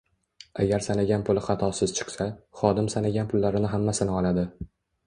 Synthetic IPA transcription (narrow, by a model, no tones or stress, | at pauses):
a̰ɡʲaɾsanaɡʲanpʰʊlɪχɑt̪ʰɒsɪz̥t͡ʃʰɨ̥qsaχɒd̪ɪmsanaɡʲanpʰʊlːaɾɪnɪɦamːasɪnɪɒlad̪ɪ